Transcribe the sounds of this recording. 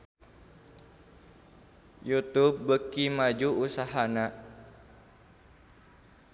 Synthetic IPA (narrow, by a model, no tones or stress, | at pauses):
jut̪up̚bəkimad͡ʒuusaɦana